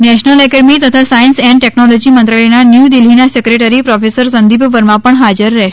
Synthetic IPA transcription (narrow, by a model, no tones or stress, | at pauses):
nɛɕnəlɛkɛɖmiːt̪ət̪ʰasajinsɛ̃ɳʈeknɔlɔd͡ʑiːmənt̪ɾaɭenanjud̪ilinasekɾeʈəɾipɾɔfesəɾsənd̪ibʱʋəɾmapəɳɦad͡zəɾːɛ